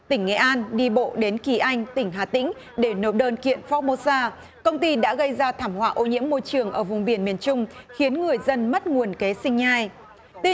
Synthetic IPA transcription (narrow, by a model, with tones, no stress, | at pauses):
t̪ï˧˩ŋ̟ŋɛ̰˧˩ʔaː˧nɗi˧ɓo̰˧˨ɗe˨˦nki˧˩ʔa˧jŋ̟t̪ï˧˩ŋ̟ɦaː˨˩t̪ḭ˧˥ŋ̟ | ɗe˧˩no˨˩ɗəː˧nkḭ˧˨ənfɔ˦˥mo˧saː˧ | kə˧wŋ͡mt̪i˧ɗa̰ː˧˥ɣə˧jzaː˧t̪ʰaː˧˩mhwa̰ː˧˨ʔo˨˦ɲḭ˧˥əmːo˧jt͡ɕɨ˨˩əŋʔəː˧˩vʊ˨˩ŋ͡mɓi˧˩ənmi˨˩ənt͡ɕʊ˧ŋ͡mxi˨˦ənŋɨ˨˩əjzə˧nmə˦˥t̚ŋu˨˩ənke˨˦sï˧ŋ̟ɲaː˧j̪